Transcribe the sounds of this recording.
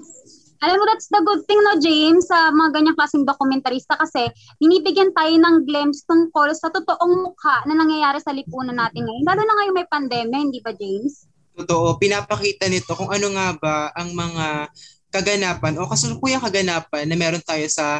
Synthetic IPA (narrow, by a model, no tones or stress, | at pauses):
ʔɐlamːod̪at̪sd̪ɐɡʊd̪̚t̪ɪŋnod͡ʒejmsːɐmɐŋaɡɐɲːaŋklaːsɪŋd̪okʊmɛnt̪ɐɾiːst̪ɐkɐsɛ | b̥ɪniːbɪɡjɐnt̪aːjonɐŋɡlɛmst̪ʊŋko̞lsɐt̪ʊt̪oʔoŋmʊkʰaʔnɐnɐŋjɐjaːɾɛsɐlɪpuːnɐnːaːt̪ɪnŋɐjonlaːlunɐŋɐjoŋmɐjpɐnd̪ɛːmjɐhɪnd̪iːbɐd͡ʒejms | t̪ot̪oʔo̞pɪnaːpɐkiːt̪ɐnɪt̪o̞koŋʔɐnoŋaːbaʔɐŋmɐŋa | kɐɡɐnaːpɐnʔo̞kɐsʊnpuːjɐŋkɐɡɐnaːp̚ɐnːɐmɛːɾo̞nt̪aːjo̞sɐ